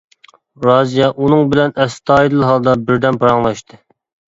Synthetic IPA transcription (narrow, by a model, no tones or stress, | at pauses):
ɾɑzijɑʔunɨŋbɪlɛnɛst̪ɑːid̪ɨlˠɦɑlˠd̪ɑbɪɾd̪ɛnpʰɑɾɑŋlˠɑʃt̪ʰɨ